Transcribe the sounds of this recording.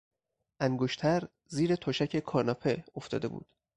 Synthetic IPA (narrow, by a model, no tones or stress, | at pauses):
ʔæŋɡoʃt̪ʰæɾ | ziːɾe̞t̪ʰoːʃæcʰe̞kʰɒːɾnɒːpʰe̞o̞ft̪ɒ̰ːd̪e̞bṵːd̪̥